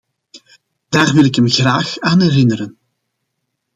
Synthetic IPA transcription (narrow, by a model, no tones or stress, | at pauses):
d̥aːrʋɪlɪkəmɣraːxaːnɦɛrɪnəɾən